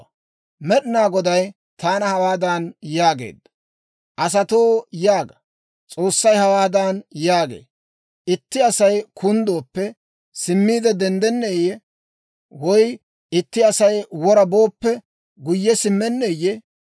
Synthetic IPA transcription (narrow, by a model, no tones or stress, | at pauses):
mɛɗɪnaːɡɔd̪ɐj | t̪aːnɐhɐwaːd̪aːnjaːɡḛːd̪ɐ̥ | ʔɐs̬ɐt̪oːjaːɡɐ | t͡sʼo̞ːsːɐjhɐwaːd̪aːnjaːɡḛː | ʔɪt̪ːɪɐsɐjkʊnd̪o̞ːpːɛ | sɪmːiːd̪ɛd̪ɛnd̪ɛnːeːjɛ | wɔj | ɪt̪ːɪɐsɐjwɔɾɐboːpːɛ | ɡʊjːɛsɪmːɛnːeːjɛ